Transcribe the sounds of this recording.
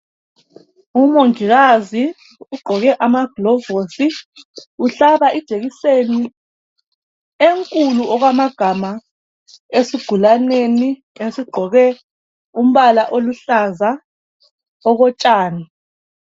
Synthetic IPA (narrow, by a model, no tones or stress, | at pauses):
umoŋiɣazi | uɡ͡ǃʱɔɣɛʔamaɡ̥lɔvosi | uɬaβaʔid̥ʒ̥ʱeɣiseni | eŋkʼuluɔɣwamaɡ̥ʱama | esiɡ̥ʱulaneni | esiɡ͡ǃʱɔɣɛ | um̩βalaʔoluɬaza | ɔɣɔt͡ʃʼaːni